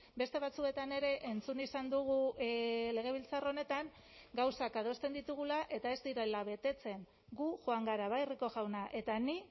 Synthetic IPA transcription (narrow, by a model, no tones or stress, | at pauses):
be̞st̪e̞β̞at͡sue̞t̪ane̞ɾe̞ʔent͡sunisand̪uɣ̞u | le̞ɣ̞e̞β̞ilt͡saro̞ne̞t̪aŋ | ɡawsakað̞o̞st̪e̞nd̪it̪uɣ̞ulaʔe̞t̪ae̞zd̪iɾelaβ̞e̞t̪e̞t͡se̞ŋ | ɡuʝoaŋɡaɾaβajriko̞ʝawnaʔe̞t̪ani